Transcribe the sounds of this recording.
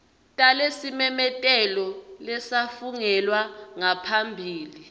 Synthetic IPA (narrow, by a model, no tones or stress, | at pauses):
tʼalesimɛmɛtʼɛlɔlɛsafuŋɛlwaŋapʰambʱiːli